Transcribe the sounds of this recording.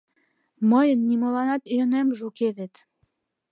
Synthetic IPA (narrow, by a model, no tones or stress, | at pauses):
məjənːimolɑnɑt̪jənemʒukeβet̪